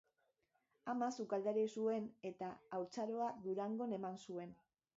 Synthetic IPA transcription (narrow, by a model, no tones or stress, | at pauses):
amasukald̪eɾisue̞ne̞t̪aːwt͡saɾo̞aðuɾaŋɡo̞ne̞mansue̞n